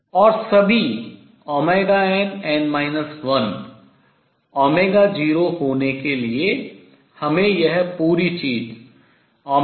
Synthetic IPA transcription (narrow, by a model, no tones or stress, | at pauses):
ɔːɾsɐbʱi | ɔːmeːɡaɛ̃ːnɛ̃ːɳɖmaːɪnəsʋɐn | ɔːmeːɡad͡ʒiːɾoɦoːnekelie | hɐmẽjɐɦpuːɾit͡ʃiːd͡ʒ | ɔː